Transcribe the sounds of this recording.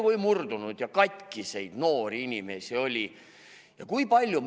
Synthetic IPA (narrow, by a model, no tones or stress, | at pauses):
vojmurd̪unud̪̥jɑkɑt̪ʲkisejd̪̥no̞ːɾiinʲime̞sio̞lʲi | jɑkujpɑlʲːjum